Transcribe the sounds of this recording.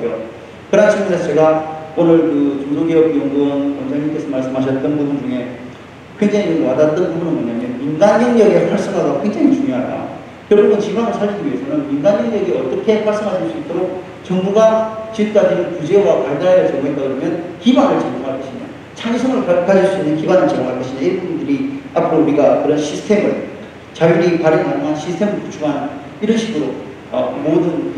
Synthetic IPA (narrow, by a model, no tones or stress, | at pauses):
ɡjo | kɯɾant͡ɕʰiɡɯmsʰat͡ɕe̞ɡaonɯɭkɯt͡ɕoŋnoɡeʌkijoŋɡʌnkʌnd͡ʑʰaŋink͈esʰʌmaɭs͈ɯmɦaɕʰʌt͈̚ʌnbubund͡ʑuŋe̞ | ɸwe̞ŋd͡ʑaŋid͡ʑekwadat͈ʌnbubunɯnmoɲamjʌnminɡaɲinjʌɡiapʰaɭs͈ɯŋaɡakwe̞ŋd͡ʑaŋit͡ɕuŋjoɦa̰jo̰ | kjʌɭbumɯnt͡ɕiɡanɯɭsʰaɭkʰiɡiɥiesʰʌmjʌnminɡaɲinjʌɡiʌt͈ʌkʰe̞maɭs͈ɯmɦaɕʰiɭs͈uit͈oɾok̚ | t͡ɕʌŋbuɡat͡ɕik͈ad͡ʑinɯnkud͡ʑewapaɭdaajʌɭt͡ɕʌŋoet͈aɡɯɾʌmjʌnkibanɯɭt͡ɕʌŋmoŋɦaɭk͈ʌɕʰiɲa̰ | t͡ɕʰaŋsʰʌŋɯɭkakʰaɕʰiɭs͈uinːɯnkibanɯt͡ɕiɡoŋɦaɭk͈ʌɕʰinaiɾɯnbubundɯɾiapʰɯɾouɾiɡakɯɾʌnɕʰisʰtʰe̞mɯɭ | t͡ɕajuɾipaɾinanʌŋanɕʰistʰe̞mɯɭput͡ɕʰuŋɦan | iɾʌnɕʰiɡɯɾo | ʌ̰modɯn